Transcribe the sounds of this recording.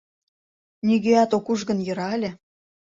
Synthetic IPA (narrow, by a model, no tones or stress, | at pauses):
niɣeɑt̪okuʒɣə̆njɤ̆ɾɑlʲĕ